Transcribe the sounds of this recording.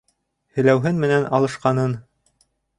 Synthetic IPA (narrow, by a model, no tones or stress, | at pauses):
hɘɵ̆læwɦɘnmɘ̆nænʔɑlˠɤ̆ʃqɑnɤn